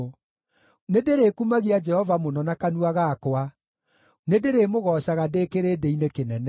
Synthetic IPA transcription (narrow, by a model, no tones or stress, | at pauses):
nedeɾeːkumaɣiad͡ʒɛhɔvamonɔnakanuaɣakoa | nedeɾemoɣɔɕaɣadekeɾedeinekenɛnɛ